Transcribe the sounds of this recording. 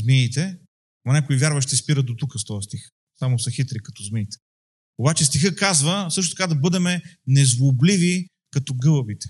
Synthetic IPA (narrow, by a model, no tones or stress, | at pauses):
zmiːt̪ɛ | mɐnʲɛkoivʲjaɾvəʃt̪ɛspiɾəd̪ot̪ukəst̪ɔɐst̪ix | samosɐxit̪ɾikɐ̥t̪ɔzmiːt̪ɛ̥ | obat͡ʃɛst̪ixɤkazvəsɤʃ̬t̪ot̪ɐkad̪ɐbɤd̪ɛmɛnɛzvoblivi | kɐt̪ɔɡɤlˠəbit̪ɛ̥